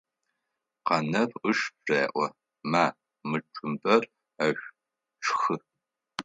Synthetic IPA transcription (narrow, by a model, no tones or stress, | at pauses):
qɐnɐrʊʂbreːʔʷɔ | maː | mɨʈ͡ʂʼʊmbɐr | ɐɕʷ | ʈ͡ʂʰxɨ